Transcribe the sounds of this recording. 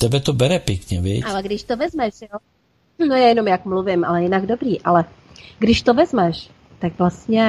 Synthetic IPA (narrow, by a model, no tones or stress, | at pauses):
t̪ɛbɛt̪ɔbɛɾɛpɛkɲɛʋɪɛ̰alɛɡd̪iʃt̪ɔʋɛzmɛʃɔ | nɔjajɛnɔmjakmluʋima̰lɛjɛnaɡd̪ɔbɾiːʔalɛ | ɡd̪iʃt̪ɔʋɛzmɛʃ | t̪aɡʋlastɲɛ